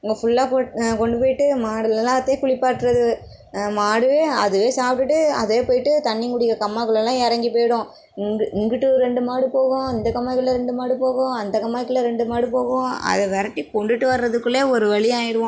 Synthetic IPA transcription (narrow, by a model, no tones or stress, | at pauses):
ʊŋɡɐfʊɭːaːpokɔɳɖɯpoːjɪʈːɯmaːɽɯlɛlãːɐt̪ːeːkʊɭɪpːaːʈːɾɐðɯ | maːɽɯʋeːɐðɯʋeːsaːp̚ʈɯʈːɯɐ̰ðeːpoːjɪʈːɯt̪ɐnːɪŋɡʊɽɪjɐkɐmːaːkːɐɭɐlːãːɛɾɐŋɡipoːjɪɽʊ̃ | ŋɡɪŋɡɪʈːɯɾɛɳɖɯmaːɽɯpoːɣõɐnd̪ɐkɐmːaːkːɐɭlːɐɾɛɳɖɯmaːɽɯpoːɣõɐnd̪ɐkɐmːaːɪkːɯlɐɾɛɳɖɯmaːɽɯp̬oːɣõɐ̰ðɛʋɛɾɐʈːikɔɳɖɯʈːɯʋɐɾɾɐðɯkːɯɭeːɔɾɯʋɐɭɪjaːjɪɾɯʋõ